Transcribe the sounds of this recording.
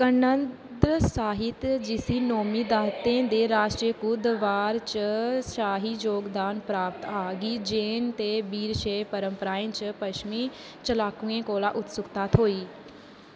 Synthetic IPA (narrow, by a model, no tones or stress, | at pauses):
kɐnə̃n | d̪ɾəsaːɦɪt̪d͡ʑisinoːmid̪aːt̪ẽd̪eɾaːsʈɾiəkʊd̪ʋaːɾt͡ɕəʃaːɦid͡ʑoːɡd̪aːnpɾaːp̚t̪aːɡid͡ʑẽːnɪ̆t̪ebiːɾʃeːpɐɾə̃mpɾaːint͡ɕɐpɐʃmi | t͡ɕɐlaːkũẽkoːlaʔʊt̪sʊkt̪at̪ʰoːiː